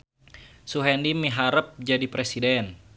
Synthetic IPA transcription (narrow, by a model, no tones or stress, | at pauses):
suɦɛndimiɦaɾəp̚d͡ʒadipɾɛsidɛn